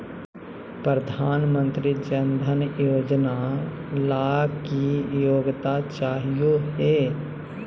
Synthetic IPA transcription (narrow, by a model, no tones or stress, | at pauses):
pɾəd̪ʱaːnmə̃nt̪ɾid͡ʒənd̪ʱənjoːd͡ʒnalaːkijoːɡt̪at͡ʃaːɦijoɦɛː